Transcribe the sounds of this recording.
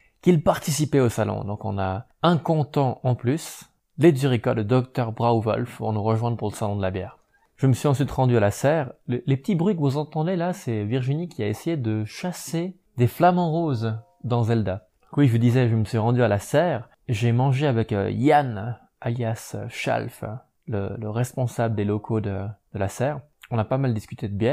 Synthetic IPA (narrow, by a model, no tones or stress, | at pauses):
kilpaʁt̪isipɛosalɔ̰̃d̪ɔ̰̃kɔ̰̃na | ɛ̃kɔ̃t̪ɑ̃ʔɑ̃plys | ledzyʁikad̪əd̪ɔkt̪œʁbʁawvɔ̰lfpṵʁnuʁəʒwɛ̃d̪ʁpuʁləsalɔ̃d̪əlabjɛ̰ːʁ | ʒ̥əməsɥizɑ̃sɥit̪ʁɑ̃d̪yalasɛʁlelepət̪ibʁɥikəvuzɑ̃t̪ɑ̃d̪elasɛviʁʒinikʲʰiaesejed̪əʃase | d̪eflamɑ̃ʁoz | d̪ɑ̃zɛld̪ã | kwiʒvəd̪izɛʒəməsɥiʁɑ̃d̪yalasɛʁ | ʒemɑ̃ʒeavɛkjan | aljasʃa̰lf | lələʁɛspɔ̃sabləd̪elɔkʰod̪əd̪̥əlasɛʁ | ɔ̃napamald̪iskyt̪ʰed̪əbjɛʁ